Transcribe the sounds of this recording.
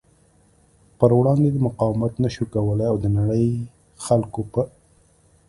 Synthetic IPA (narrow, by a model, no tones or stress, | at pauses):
pəɾwɽɑnd̪ed̪əmʊqɑwmat̪naʃukawəlaawd̪ənaɽəj | xalkopə